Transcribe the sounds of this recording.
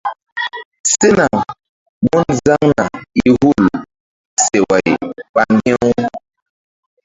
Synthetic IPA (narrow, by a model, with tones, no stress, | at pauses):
sɪ˦na˨ | ɡ͡bʊ˦n̩˦za˦ŋ˦na˨i˦ɦu˦l | se˨wa˨ḭ˨k͡pa˨ŋ˦ɡɪ˦ŋu˦